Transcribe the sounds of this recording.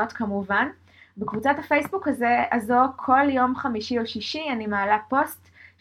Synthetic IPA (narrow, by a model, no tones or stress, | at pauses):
o̞tkamuvan | bekvut͡sathafe̞jsbukaze̞azoʁkʰo̞ljo̞mχamiʃio̞ʃiʃianimaːlapo̞st